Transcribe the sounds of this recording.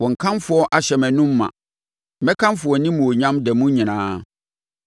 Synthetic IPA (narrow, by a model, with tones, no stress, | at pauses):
wɔ̃˨ŋ̩˨kʰã˦nfʊ˦ɔ˦ʔa˨ɕɛ˨mɛ̃˨nʊ̃˦mː˦ã̰˨ | mɛ̃˦kʰã˦nfʊ˨ɔ˨nĩ˦mũ˨o˨ɲã˦mdɛ˨mũ˦ɲĩ˨nãː˦